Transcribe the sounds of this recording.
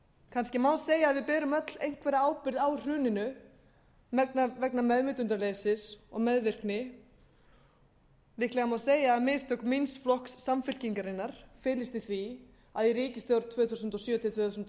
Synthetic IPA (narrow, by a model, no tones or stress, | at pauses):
kʰanscɪmawseːjaːðvɪðpɛːɾʏmœt̪lejŋ̥kʰvɛːɾaaːwpɪɾðawr̥ʏːnɪnʏ | navɛknamɛðmɪt̪ʏnt̪ɾaleːjsɪsɔɣmɛðvɪr̥knɪ | lɪhklɛɣamawseːjaːmɪːst̪ʰœkminsflɔhksːamfɪl̥ciŋkaɾɪnːaɾ̥fɪːlɪst̪ɪθvi | aðjɛɾiːcɪst̪jawɾt̪ʰvœːθusʏnt̪ɔsjœːt̪ʰɪθʰvɛːθus̬nt̪